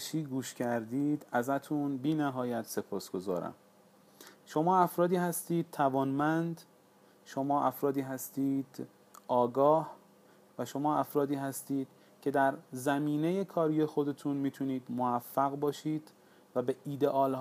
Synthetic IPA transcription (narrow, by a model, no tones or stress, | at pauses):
ʃiːɡuːʃcʰæɾd̪iːd̪æzæt̪ʰunbiːnæɦɒːjæt̪se̞pʰɒːsɡ̥o̞zɒ̰ːɾæ̰m | ʃo̞mɒːæfɾɒːd̪iːhæst̪iːd̪̥̚t̪ʰævɒːnmænd̪ | ʃo̞mɒːʔæfɾɒːd̪iːɦæst̪iːd̪̥ | ɒːɡɒːh | væʃo̞mɒːæfɾɒːd̪iːɦæst̪iːd̪̥̚ | cʰe̞d̪æɾzæmiːneje̞kʰɒːɾije̞xo̞d̪e̞t̪ʰunmiːt̪ʰuniːd̪moæfːæɣbɒːʃiːd̪ | væbe̞ʔiːd̪e̞ʔɒːl